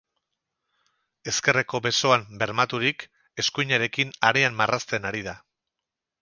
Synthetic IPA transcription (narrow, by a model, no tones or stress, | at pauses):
e̞ske̞re̞ko̞βe̞so̞ambe̞ɾmat̪uɾik | e̞skujɲaɾe̞kinaɾeamːarast̪e̞naɾiða